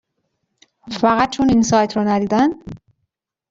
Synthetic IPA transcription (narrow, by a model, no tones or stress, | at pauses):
fæɣæt̪̚t͡ʃʰoninsɒːjt̪ʰɾɒnæd̪iːd̪æn